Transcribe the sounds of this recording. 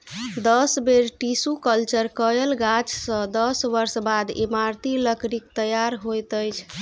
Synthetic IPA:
d̪əsbeɾʈisukəlt͡ʃəɾkəjəlɡat͡ʃsə̃d̪əsʋəɾsbad̪ḛmaɾt̪iləkɾikt̪əjaɾɦojt̪əjt͡ʃʰ

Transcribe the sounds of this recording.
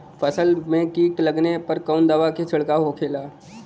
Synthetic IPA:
fʰəsəlmẽkiːʈləɡnepɐɾkɔːʊnd̪aːʋaket͡ʃʰɪɽkaɦokʰeːlaː

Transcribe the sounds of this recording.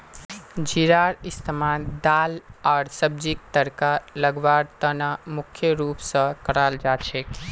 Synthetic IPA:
d͡ʒiɾaːɾɪst̪ʰəmad̪aːlɔːɾsəb̚d͡ʒik̚t̪əɾkaləɡʋaːɾt̪ənamʊkʰjəɾuːpsə̃kəɽaːld͡ʒaːt͡ʃʰe

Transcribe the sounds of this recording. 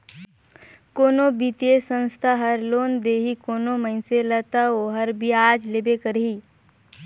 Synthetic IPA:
koːnobit̪esə̃nst̪ʰaɦəɾloːnd̪eːɦikoːnoməɪnselət̪aoɦəɾbʱiaːd͡ʒlebekəɾɦi

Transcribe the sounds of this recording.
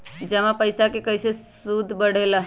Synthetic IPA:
d͡ʒəmãpəɪsakekəjsesud̪ʱbəɽ̤ela

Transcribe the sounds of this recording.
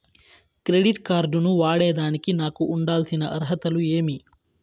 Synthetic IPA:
kɾeɖiʈkaːɾɖunuʋaːɽeːd̪aːnikinaːkuʔːɳɖaːlsinɐʔɐɾɦɐt̪ɐlueːmi

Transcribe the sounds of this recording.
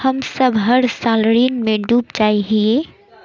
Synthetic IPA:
hɐmsəbʱɦəɾsaːlɾiːnmẽɖuːpd͡ʒaːiɦieː

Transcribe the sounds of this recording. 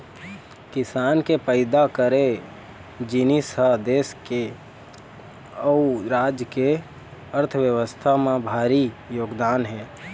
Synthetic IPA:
kɪsaːnkepəɪd̪akəɾe | d͡ʒɪnisəɦd̪eːske | əuɾaːd͡ʒjəke | əɾt̪ʰəʋjəʋəst̪ʰamẽbʱaːɾijoːɡd̪aːnɦɛ̃ː

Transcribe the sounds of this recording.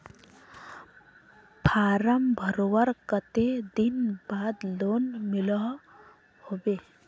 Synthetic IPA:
pʰaːɾəmbʱəɾoʋəɾkət̪ed̪inbad̪lonmilɔ | hobe

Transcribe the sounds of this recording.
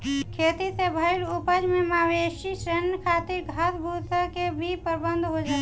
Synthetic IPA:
kʰeːt̪isebʱəɪlupəd͡ʒmemaːweʃisɾenkʰaːt̪iɾɡʱasbʱut̪əkebʱipəɾbənd̪ʱɦod͡ʒaː

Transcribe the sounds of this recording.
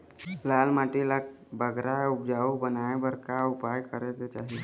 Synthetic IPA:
lalmaʈilak̚ | bəɡʱɾaʊp̚d͡ʒaubənaebəɾkaʊpajkəɾeket͡ʃaːɦie

